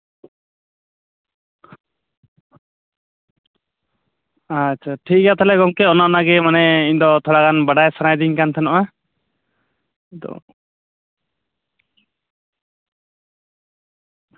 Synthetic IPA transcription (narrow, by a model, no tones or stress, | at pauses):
at͡ʃʰaʈʰik̚ɡat̪alɛɡɔŋkɛɔnaɔnaɡɛmanɛiɲd̪ɔt̪ʰɔɽakanbaɖajsanajd̪iŋkant̪ʰɛnɔʔa | id̪ɔ̰